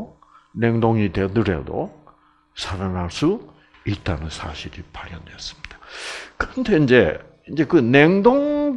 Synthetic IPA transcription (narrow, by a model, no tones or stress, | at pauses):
ne̞ŋdoŋite̞dɯɾe̞̰do̰ | sʰaɾanaɭs͈u | it̚t͈anɯnsʰa̰ɕʰiɾipaɾjʌ̰ndweʌs͈ɯ̥mɲid̥ḁkɯɾʌntʰe̞ind͡ʑe̞ | ind͡ʑe̞kɯneŋdoŋ